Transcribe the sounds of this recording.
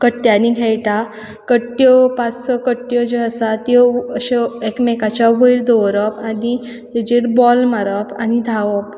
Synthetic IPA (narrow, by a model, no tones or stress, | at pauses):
kəʈːjaniɡʱejʈa | kəʈːjɔpat͡ssəkəʈːjɔd͡ʑeəsat̪ɔəɕeekmekat͡ɕaʋəiɾd̪ɔʋɾəpani | t̪ed͡ʑeɾbɔlmaɾəpanid̪ʱaʋəp̚